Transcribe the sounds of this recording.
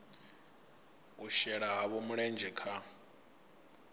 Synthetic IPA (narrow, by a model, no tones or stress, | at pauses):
uʃɛɺaɦaβɔmuɺɛnd͡ʒʱɛkʰa